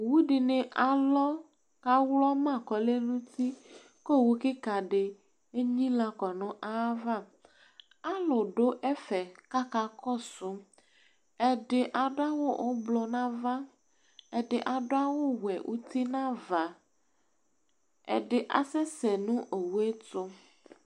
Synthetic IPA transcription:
wu˦ɖi˨nẽ˨ʔa˨lɔ˦ | ka˦wlɔ˦mã˦˨kɔ˨le˦nũ˦t̪i˦ | ko˦˨wu˦ki˦ka˨ɖɪ˨ | e˦ɲĩ˦la˦kɔ˨nɔ̃˦ʔa˦va˦ | a˦lɔ˨ɖo˦ʔɛ˦fɛ˨ka˦ka˨kɔ˦su˦ | ɛ˨ɖe˨ʔa˨ɖo˦a˦wo˦ʔo˦blɔ˦nã˦va˦ | eɛ˨ɖe˨ʔa˨ɖo˦a˦wo˦wɛ̰˨wʔṵ˦t̪i˦nã˦va˨ | ḛ˨ɖe˨ʔa̰˨sɛ˦sɛ˨nũ˦ʔe˨wu˦e˦t̪o˦

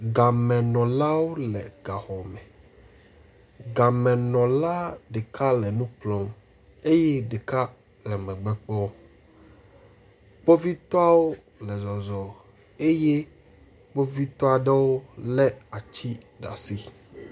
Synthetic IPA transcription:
ɡa˨mɛ̃˨nɔ̃˨la˦wo˦lɛ̰˨ɡa˨xɔ˨mɛ˨ | ɡa˨mɛ̃˨nɔ̃˨la˦ɖe˨kʰa˦lɛ˨nũ˦k͡plɔ˦m | e˦jɛ˦ɖe˨ka˦ | lɛ˨mɛ̃˨ɡ͡bɛ˦k͡pɔ˦ | k͡po˦vi˦t̪ɔ˦a˦wo˦ | lɛ˨zɔ˨zɔ˨ | e˦jɛ˦ | k͡po˦vi˦t̪ɔ˦a˨ɖɛ˦wo˦lɛ˦a˨t͡ɕi˦ɖa̰˨si˦

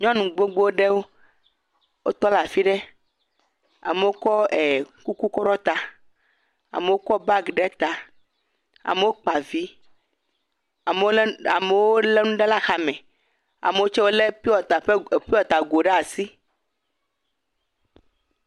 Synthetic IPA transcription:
ɲɔ̃˦nũ˨ɡ͡bo˦ɡ͡bo˦wo˦ɖe˦wo˦ | wo˦t̪ɔ˦la˨fi˦ɖɛ˦ | a̰˨me˨wo˦kɔ˦ɛ˨ku˦ku˦kɔ˦ɾɔ˦t̪a˨ | a̰˨me˨wo˦kɔ˦ba˦ɡɖɛ˦t̪a˨ | a̰˨me˨wo˦k͡pa˨vi˦˨ | me˨˦a˨me˨wo˦le˦nũ˦ɖe˦la˦xa˨mɛ̃˨ | a̰˨me˨wo˦t͡ʃɛ˦wo˦le˦pi˦wɔ˨t̪a˨ɸe˦˨pi˦wɔ˨t̪a˨ɡo˨ɖɛ˦a˨si˦

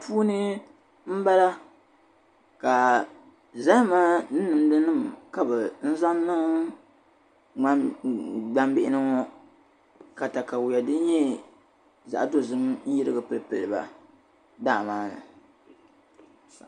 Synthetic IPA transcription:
puː˦nɨ˦ | m̩˦ba˦la˦ | ka˨ | za˦maː˦nɨ˦nɨ˨mdɨ˦nɨ˦˨mka˦bɨ˨n̩˦za˦nɨ˦ŋ˦ | ɡ͡ba˦mbɪ˦ʔɪ˦nɨ˦ŋɔ˦ | ka˨ta˨ka˨wja˨dɨ˦n˦ɲɛ˦ | za̰˨ʔdo˦zɨ˦m˦jɪ˦ɾɨ˦ɡɨ˨pɨ˨lɨ˨pɨ˨lɨ˨ba̰˨ | daː˦˨maː˦nɨ̰˨

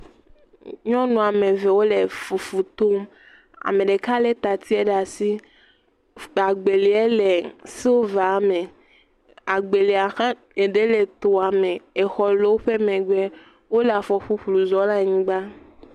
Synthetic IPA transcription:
ɲɔ̃˦nũ˨a˨mẽ˨ve˨wo˦le˨fu˨fu˨t̪o˦m | a̰˨mẽ˨ɖe˨ka˦le˦t̪a˨t̪ʰi˦ɛ˦ɖa˨si˦ | a˨ɡ͡be˨li˨ɛ˦le˨si˦wo˦va˨˦mẽ˨ | a˨ɡ͡be˨le˨a˨xã˦ | e˨ɖe˦le˨t̪o˨a˨mẽ˨e˨xɔ˦lo˦wo˦ɸe˦mẽ˨ɡ͡bɛ˦ | wo˦le˨a˨fɔ˨ɸu˦ɸlu˨zɔ˦la˦ɲĩ˦ɡ͡ba˦

